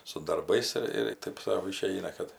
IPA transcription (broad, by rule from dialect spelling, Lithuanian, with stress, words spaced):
sʊ dɐrˈbɐɪs ɪr ɪr ˈtɐɪp sɐʊ ˈɪʃʲɛɪnɐ ˈkɐt